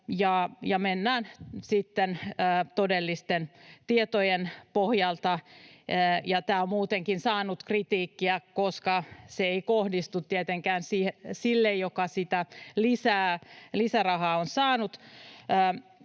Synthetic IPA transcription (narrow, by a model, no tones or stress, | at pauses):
jɑjɑmenːæːnsit̪ːenːt̪odelːist̪ent̪iet̪ojenpohjɑlt̪ɑ | jɑt̪æːommuːt̪eŋkinsɑːnut̪krit̪iːkːiækoskɑseeikohdist̪ut̪tiet̪eŋkæːnsiːhsilːejjokɑsit̪ælisæːlisærɑhɑːonsɑːnut̪əː